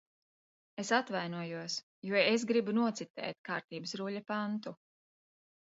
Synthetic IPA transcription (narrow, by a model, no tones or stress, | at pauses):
esat̪vajnuɔjuɔs | juɔes̬ɡɾibunuɔt̪sit̪ɛ̰ːt̪̚kaːɾt̪iːbəsɾuʎɐpant̪u